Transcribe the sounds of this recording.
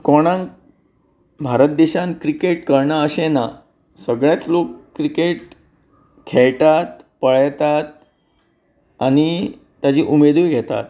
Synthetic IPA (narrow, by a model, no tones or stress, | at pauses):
koɽ̃ãŋ | bʱaɾət̪̚d̪eɕãnkɾikeʈkəɾɳaəɕẽna | səɡɭjat͡slokːɾikeʈ | kʰɛɭʈ̪at̪pəɭt̪at̪̚ | añi | t̪jad͡ʑiːʔumed̪ʋiːɡʱɛt̪a̰t̪̚